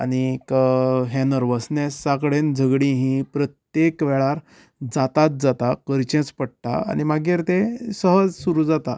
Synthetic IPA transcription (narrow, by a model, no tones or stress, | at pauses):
a̰nikəɦẽnəɾʋəsnesakɽend͡zʱəɡɽĩɦĩpɾət̪jekʋɛɭaɾ | d͡zat̪at̪̚d͡zat̪akəɾt͡ɕẽt͡spəɽ̚t̪a̰a̰nimaɡiɾt̪esəɦəd͡zsuɾuːd͡zat̪a